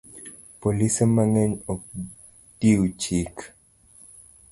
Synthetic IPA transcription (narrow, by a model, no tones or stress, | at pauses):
polisemaŋɛɲɔk̚ | diwt͡ʃik